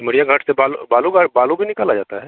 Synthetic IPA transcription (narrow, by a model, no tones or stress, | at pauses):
məɽijaɡʱɐʈʰsebalubaːluɡaʈbaːlubʱinɪkaːlad͡ʒaːt̪aɦɛː